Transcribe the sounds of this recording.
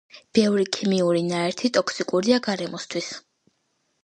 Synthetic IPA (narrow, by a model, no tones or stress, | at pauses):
b̥ɛvɾikʰimiuɾinaɛɾt̪ʰit̪ʼɔkʰsikʼuɾiaɡaɾɛmɔst̪ʰwis